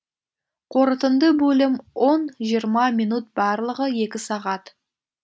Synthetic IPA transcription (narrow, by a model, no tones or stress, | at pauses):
qʰo̞ɾət̪ənd̪əbɵlɪmwʔonʒijəɾmɑmijnut̪̚bɑɾlˠəʁəje̞kʲɪsɑʁɑt̪